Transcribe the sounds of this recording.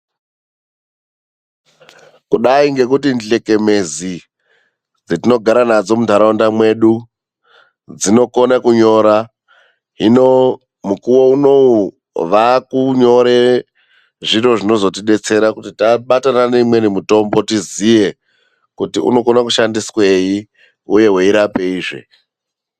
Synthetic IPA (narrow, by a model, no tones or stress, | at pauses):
kuɗaiŋɡe̞k̬utinɮe̞ke̞me̞zi | d͡zetino̞ɡʱaɾanad͡zo̞mudʱaɾaondamwe̞ɗu | d͡zino̞konakuɲo̞ːɾa | ɦino | mukuwouno̞u | ʋakuɲo̞ɾe | ʐiro̞ʐino̞zo̞tiɗe̞t͡se̞ɾakutitaɓatananeimwe̞nimuto̞mbo̞tizije̞ | kutiṵno̞ko̞nakuʃandiswei | uje̞ɦweiɾape̞iːʐḛ